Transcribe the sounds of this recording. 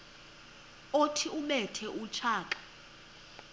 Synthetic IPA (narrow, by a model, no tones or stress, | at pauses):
otʰiumɛtʰɛʔut͡ʃʰaːkʼḁ